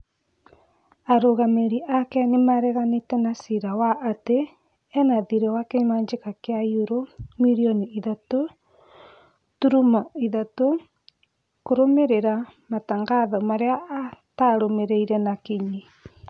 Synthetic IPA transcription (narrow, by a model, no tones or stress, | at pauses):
aɾoɣameɾiʔakɛnemaɾɛɣanetɛnasiɾawaʔːteː | naðiɾɛwakemaːɲd͡ʒekakeajuɾomiɾioniiðato | tuɾumaiðato | koɾomeɾeɾamataŋɡaðɔmaɾeaataɾomeɾeiɾɛnakiɲi